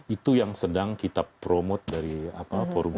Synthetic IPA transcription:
it̪ujaŋsədaŋkit̪apɾomot̪̚daɾiapafɔrb

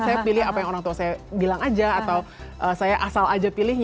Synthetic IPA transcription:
sajapilɪhɦapajaŋoɾaŋt̪uasajabilaŋad͡ʒaːt̪aw | ʔəsajaʔasalad͡ʒapilɪhɲ

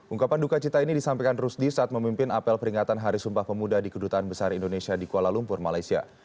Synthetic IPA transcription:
ʔuŋkapandukat͡ʃit̪ainidisampekanrusdisaːt̪̚məmimpɪnapɛlpəɾiŋat̪anɦaɾisumpahpəmudadikədut̪aːnbəsaɾindonesiadikualalumpʊrmalajsia̰

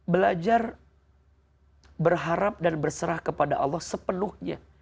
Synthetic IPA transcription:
bəlad͡ʒar | bərɦaɾap̚danbərsəɾahkəpadaʔɑ̰lːɔhsəpənʊhɲa̰

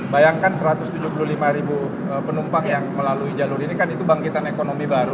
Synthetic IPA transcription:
bajaŋkansəɾat̪ʊst̪ud͡ʒupululimaɾibu | əpənumpaŋjaŋməlaluid͡ʒalʊɾinikanit̪ubaŋkit̪anekonomibaɾu

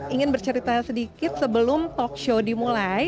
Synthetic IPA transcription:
iŋɪnbərt͡ʃəɾit̪asədikɪt̪̚səbəlʊmt̪ɔk̚ʃodimulaj

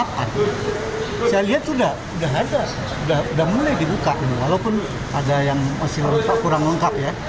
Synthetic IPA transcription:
pa̰n | saaliɦat̪udah | udaɦada | udahudahmulajdibukaʔnwalawpʊn | ʔadajaŋmasɪlɾut̪akuɾaŋləŋkap̚ja

